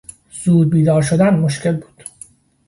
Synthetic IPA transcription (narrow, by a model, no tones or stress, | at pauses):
z̥uːd̪̚biːd̪ɒːɾʃo̞d̪ænmoʃcelbuːd̪̥